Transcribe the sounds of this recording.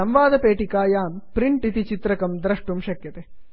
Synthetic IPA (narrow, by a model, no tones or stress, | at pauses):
ɐmʋaːd̪ɐpeːʈikaːjaːmpɾiɳʈit̪it͡ʃit̪ɾɐkɐmd̪ɾɐʂʈumʃɐkjɐt̪e